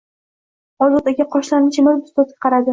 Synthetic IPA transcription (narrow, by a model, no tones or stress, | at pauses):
ɒzɒt̪aɡʲaqʰɒʃlanɪt͡ʃʰɪmɪzbʊst̪ɒzɡʲḁqʰɑɾad̪ɪ